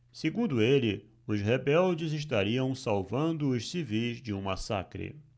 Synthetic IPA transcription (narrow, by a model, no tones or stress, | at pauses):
seɡũnd̪ʊelɪ | ʊshebɛwd͡ʒɪzɪʃ̬t̪aɾiɐ̃w̃sawvɐ̃nd̪ʊːssivijzd͡ʒɪũmasa̰kɾɪ̰